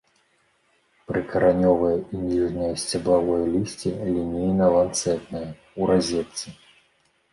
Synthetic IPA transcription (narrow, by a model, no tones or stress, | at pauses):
pɾɨkɐɾanʲɔvɐjɐinʲiʐnɨjɐsʲt͡sʲɐblˠavɔjɐlʲisʲt͡sʲilʲinʲejnɐlˠant̪sɛt̪nɐjɐ | uɾazʲɛt̪sɨ